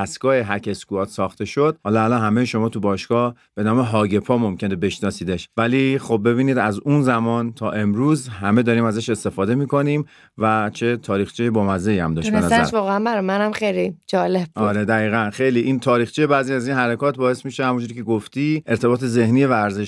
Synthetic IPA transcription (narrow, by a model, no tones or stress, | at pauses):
æsɡɒːheɦæɾcʰeskuɒːt̪sɒːxt̪e̞ʃod̪̥̚hɒːlɒælɒnɦæmejeʃo̞mɒːt̪ʰubɒːʃkɒː | b̥e̞nɒːme̞ɦɒːɟe̞pʰɒːmo̞mcʰenebe̞ʃnɒsiːd̪eʃvæliːxo̞b̚ːe̞βiːniːd̪æzunzæmɒːnt̪ʰɒ̰ːʔe̞mɾuːzɦæme̞d̪ɒːɾiːmæzæʃe̞st̪e̞fɒːd̪e̞miːko̞niːm | væt͡ʃʰe̞t̪ʰɒːɾiːxt͡ʃʰejebɒːmæzeiːæ̰md̪ɒːʃenæzʃɒːɣeænbæɾɒjmænæmχejlid͡ʒɒːleb̚bɒuɾe̞d̪æɣiːɣænxe̞jliːʔiːnt̪ʰɒːɾiːxt͡ʃʰijebæːziæziːnɦæɾekʰɒːt̪̚bɒːe̞smiːʃehæmund͡ʒuɾiːcʰe̞ɡoft̪iːʔe̞ɾt̪ʰe̞bɒːt̪ʰeze̞hniːevæːɾzeʃ